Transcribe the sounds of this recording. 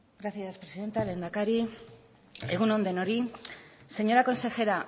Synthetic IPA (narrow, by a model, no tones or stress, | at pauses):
ɡɾaθjaspɾesiðe̞nt̪ale̞nd̪akaɾi | eɣuno̞nd̪e̞noɾise̞ɲo̞ɾako̞nse̞xe̞ɾa